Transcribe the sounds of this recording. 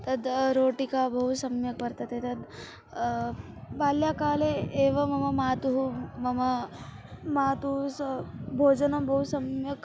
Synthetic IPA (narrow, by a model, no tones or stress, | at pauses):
t̪ɐd̪ɾoːʈikabɐɦusɐmjɐkpɐɾt̪ɐt̪et̪ɐd̪ | baːljakaːleeːʋɐmɐmɐmaːt̪uɦumɐmɐ | maːt̪usbʱoːd͡ʒɐnɐmbʱɐɦusɐmjɐk